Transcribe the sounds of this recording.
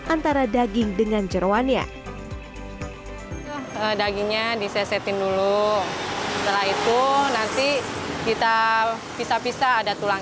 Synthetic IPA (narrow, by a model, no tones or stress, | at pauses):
ʔant̪aɾadaɡɪŋdəŋand͡ʒəɾoanɲa̰ | t̪ʊhədaɡiŋɲadisɛsɛt̪ɪndulu | ssət̪əlaɦit̪unant̪ikit̪a | pisapisaːdat̪ulaŋ